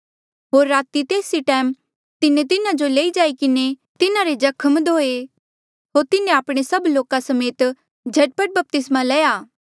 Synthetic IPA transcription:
ɦoːɾːaːt̪it̪eːsiʈɛːm | t̪ɪnẽt̪̬ɪnãd͡ʒoleːid͡ʒaːikɪne | t̪ɪnaɾed͡ʒɐkʰəmd̪ʱoːe | ɦoːɾt̪ɪnẽaːpɽ̃esɐbloːkasɐmeːt̪ | d͡ʒʱɐʈ̚pəʈ̚bɐp̚t̪ɪsmalɛːjaː

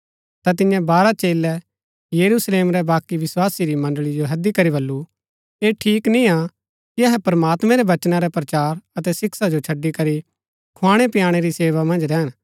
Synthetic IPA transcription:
t̪at̪̬ɪ̃jãbaːɾat͡ʃeːlɛ | jɐɾusleːmɾɛbaːkiʋɪswaːsiɾimɐ̃nɖəɭid͡ʒoɦɐd̪ikɐɾibɐlːu | eʈʰiːknĩa | kiɐɦɛpɾmaːt̪mɛ̃ɾɛʋɐt͡ʃnaɾɛpɾɐt͡ʃaːɾɐt̪ɛsɪksad͡ʒot͡ʃʰɐɖːikɐɾi | kʰʊãːɽ̃epɪjaːɽ̃eɾiseːʋamɐ̃nd͡ʒɾɛːn

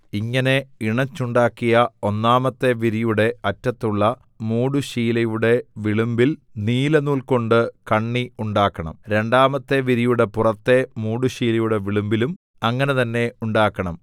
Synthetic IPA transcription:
iŋːɐne̞iɳɐt͡ɕːuɳɖaːkːijɐo̞nːaːmɐt̪ːe̞ʋiɾijuɽe̞ɐtːɐt̪ːuɭːɐ | muːɽuɕiːlɐjuɽe̞ʋiɭumbilniːlɐnuːlko̞ɳɖɨkɐɳːiuɳɖaːkːɐɳɐ̰mɾe̞ɳɖaːmɐt̪ːe̞ʋiɾijuɽe̞purɐt̪ːe̞muːɽuɕiːlɐjuɽe̞ʋiɭumbilum | ɐŋːɐne̞t̪ɐnːe̞uɳɖaːkːɐɳɐm

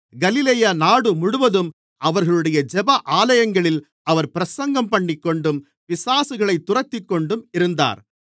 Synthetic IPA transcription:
ɡɐlɪleːjaːnaːɽɯmʊɽʊʋɐðɯm | ʔɐʋɐɾɣɐɭɯɽɐjɐd͡ʒɛbɐʔaːlɐjɐŋɡɐɭɪl | ɐʋɐɾpɪɾɐsɐŋɡɐmpɐɳːɪkːɔɳɖɯm | ʋɪsaːsɯɣɐɭɐɪt̪ːʊrɐt̪ːɪkːɔɳɖɯmɪɾɯnd̪a̰ːɾ

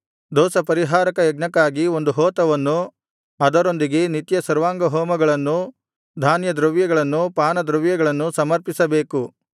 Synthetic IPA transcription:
d̪ɔːsɐpɐɾiɦaːɾɐkɐjɐɡnɐkːaːɡio̞nd̪uɦɔːt̪ɐʋɐnːu | ɐd̪ɐɾo̞nd̪iɡe̞nit̪jɐsɐɾʋaːŋɡɐɦɔːmɐɡɐɭɐnːu | d̪ʱaːnjɐd̪ɾɐʋjɐɡɐɭɐnːupaːnɐd̪ɾɐʋjɐɡɐɭɐnːusɐmɐɾpisɐbe̞ːku

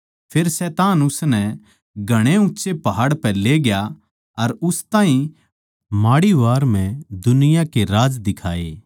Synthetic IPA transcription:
pʰeːɾsɛːt̪aːnʊsnɛ | ɡʱɐɽ̃eʊtːʃepɐɦaːɽpɛleɡɪja | ɐɾʊst̪aːɦĩ | maːɽiʋaːɾmɛ̃d̪ʊnɪjakeɾaːd͡ʒd̪ɪkʰaːeː

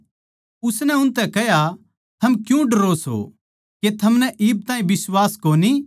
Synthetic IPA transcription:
ʊsnɛʊnt̪ɛkɛɦja | t̪ʰɐmkjũɖɐɾoːsɦo̰ | ket̪ʰɐmnɛʔɪːb̚t̪ãːĩbɪswaːskoːni

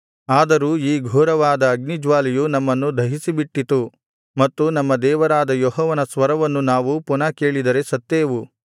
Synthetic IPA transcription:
aːd̪ɐɾuːiːɡʱɔːɾɐʋaːd̪ɐːɡnid͡ʒʋaːlijunɐmːɐnːud̪ʱɐɦisibiʈːit̪u | mɐt̪ːunɐmːɐd̪ɛːʋɐɾaːd̪ɐjɔɦɔːʋɐnɐsʋɐɾɐʋɐnːunaːʋupunɐkeːɭid̪ɐɾe̞sɐt̪ːeːʋu

